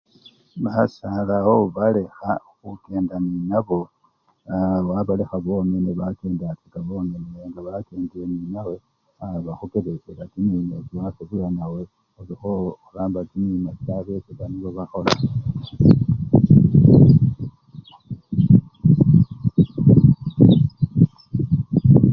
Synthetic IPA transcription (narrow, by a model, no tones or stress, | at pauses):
βasalahoβale̞xaxuke̞ːndaninaβo̞ | waβalexaβo̞meneβakeːndat͡sikaβo̞meneeŋɡaβakeːŋɡieninawe̞ | aβaxukeβekelakininet͡siwaseβulanawe | olixoxulaːmbatinimasaβesekaniβoβaxo̞la